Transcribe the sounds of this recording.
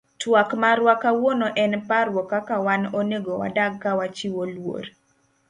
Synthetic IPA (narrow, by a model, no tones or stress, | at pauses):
twakmaɾwakawonoʔɛnpaɾwɔkakawanoneɡowa̰daɡ̚kawat͡ʃiwolwo̰ɾ